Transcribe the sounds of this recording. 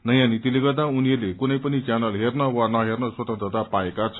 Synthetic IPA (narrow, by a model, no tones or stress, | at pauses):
nʌjãnit̪ileɡʌrd̪ãuniʌrlekunʌjpʌnit͡sjanʌlɦernʌwanʌɦernʌswʌt̪ʌnt̪rʌt̪apaekat͡sʰʌ